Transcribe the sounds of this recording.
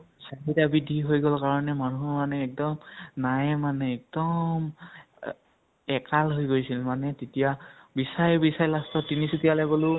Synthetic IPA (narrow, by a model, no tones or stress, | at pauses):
saɦitabidʱiɦojɡɔlkaɹɔnɛmanuɦɔmanɛːk̚dɔmnajɛmanɛɛk̚dɔm | ɛkalɦojɡojsilmanɛtetijabisajbisajlastɔtinisutijalaɡolʊ